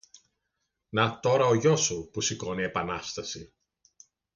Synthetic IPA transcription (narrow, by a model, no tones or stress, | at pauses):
nɐt̪o̞ɾɐoʝo̞supusiko̞nie̞pɐnɐst̪ɐsi